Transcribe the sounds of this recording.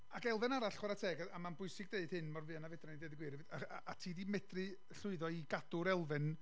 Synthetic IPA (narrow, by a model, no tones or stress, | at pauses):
akɛlˠvɨnaɾaɬχwaɾatʰɛːɡaamanbʊɨsɪɡ̚deɨd̥hɨnmɔrvɨːanavɛdranideːdəɡwɪɾvaaatʰiːdimɛdrɨ | ɬʊɨðɔiɡadʊɾɛlˠvɨn